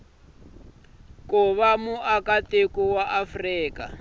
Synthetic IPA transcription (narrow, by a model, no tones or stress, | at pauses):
kʊβamuʔakatekuwaʔafriːka̰